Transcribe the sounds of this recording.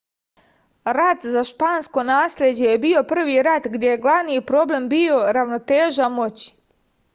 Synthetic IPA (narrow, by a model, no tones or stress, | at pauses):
ɾat̪zaʃpaːnsko̞naːslʲe̞d͡ʑe̞jebio̞pr̩ʋiɾat̪ɡd̪ʲje̞je̞ɡlˠaʋnijpɾo̞ble̞mbio̞ɾaʋno̞t̪e̞ːʒamo̞t͡ɕi̥